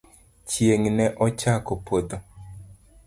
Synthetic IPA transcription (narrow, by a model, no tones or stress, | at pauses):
t͡ʃjeŋnɛʔɔt͡ʃakopod̪o